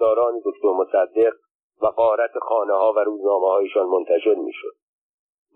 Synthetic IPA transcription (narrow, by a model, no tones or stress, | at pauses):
ɒːɾɒːned̪okt̪ʰo̞ɾmosæd̪ːe̞ɢ | væɢɒːɾæt̪ʰexɒːnehɒːvæɾuːznɒːmehɒːjeʃɒːnmont̪ʰæʃe̞ɾmḭːʃod̪̥̚